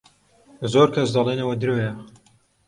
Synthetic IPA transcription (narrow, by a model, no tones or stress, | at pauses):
zoɾkʰɐs̬d̪ɑlˠenɐwɐd̪ɨɾowja